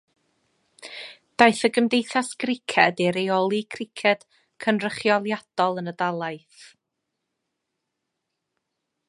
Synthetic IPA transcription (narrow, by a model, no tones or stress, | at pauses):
d̥ajθəɡəmdejθasɡ̥rɪkʰɛdɪɾejɔlˠikʰrɪkʰɛd̥ | kʰənrəχjɔlˠjad̥ɔlˠənədalˠaɨθ